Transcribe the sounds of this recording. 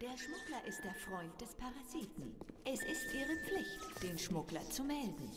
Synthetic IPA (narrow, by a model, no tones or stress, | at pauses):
d̥eːɐʃmʊklɐʔɪst̚d̥eːɐfʁ̥ɔʏnt̚d̥ɛspʰaʁaziːtn̩ʔɛsɪstʔiːʁəp͡flɪçtd̥eːnʃmʊklɐt͡sumɛldn̩